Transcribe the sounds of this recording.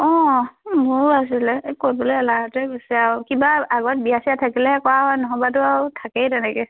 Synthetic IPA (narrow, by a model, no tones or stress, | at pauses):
ɔ̃buas̬ilɛkot̚bɔlojalaɦɔtɛɡosiakibaaɡɔt̚biasijatʰakilɛɦɛkɔwaɦɔjnɔɦɔbatʊawtʰakɛjtɛnɛkɛ